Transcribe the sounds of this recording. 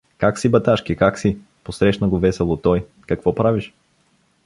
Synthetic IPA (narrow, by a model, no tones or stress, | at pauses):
kaksibɐt̪aʃkikaksi | posɾɛʃnɐɡovɛsɛlˠot̪ɔj | kɐkvɔpɾaviʃ